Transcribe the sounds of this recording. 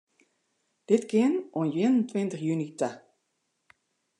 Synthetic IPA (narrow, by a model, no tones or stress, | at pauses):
d̥ɪtkɪnʔɔnjɪənəntʋɪntəxjynitə